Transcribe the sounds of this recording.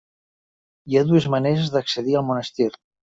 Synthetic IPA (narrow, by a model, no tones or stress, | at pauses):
iaðuezməneɾezðəkseðialˠmunəst̪iɾ